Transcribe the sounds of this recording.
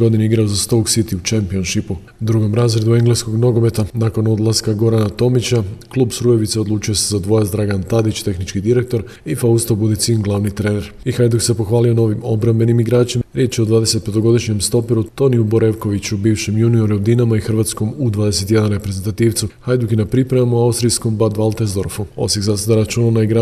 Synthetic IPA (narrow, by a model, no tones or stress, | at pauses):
ɡo̞d̪ineiɡɾaozast̪o̞ɡsit̪iut͡ʃempio̞nʃipu | d̪ɾuɡo̞mɾaːzɾe̞d̪ue̞ŋɡlesko̞ɡno̞ɡo̞me̞t̪anako̞no̞d̪lˠaskaɡo̞ɾanat̪o̞mit͡ɕaklˠuːbsɾuje̞ʋit̪seo̞d̪lˠuːt͡ʃujo̞sezad̪ʋo̞jasd̪ɾaɡant̪ad̪it͡ʃt̪e̞xnit͡ʃkid̪iɾe̞k̚t̪o̞ɾ | ifaust̪obud̪et̪siunɡlˠaʋnit̪ɾeːne̞ɾ | ixajd̪ukse̞po̞xʋaːlijo̞no̞ːʋimo̞bɾambe̞nimiɡɾaːt͡ɕimaɾje̞ːt͡ɕiod̪ʋaːd̪e̞se̞t̪̚pe̞t̪o̞ɡo̞d̪iʃɲe̞mst̪o̞piɾut̪o̞niubo̞ɾe̞ʋko̞ʋit͡ɕubiːʋʃemjunio̞ɾuud̪inamaixrɾʋat̪sko̞mud̪ʋaːd̪e̞se̞t̪je̞d̪anɾe̞pɾe̞ze̞nt̪at̪iːʋt̪suhajd̪ukinapɾipɾaʋamoawst̪ɾijsko̞mbad̪ʋalˠt̪ezd̪o̞ɾfuo̞̰siɡzased̪aɾat͡ʃuːnanaiɡɾa